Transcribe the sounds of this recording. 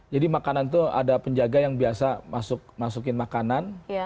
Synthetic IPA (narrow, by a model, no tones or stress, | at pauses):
d͡ʒadimakanant̪̬ua̰dapəɲd͡ʒaɡajaŋbiasamasʊk̚masuk̬ɪnmakanan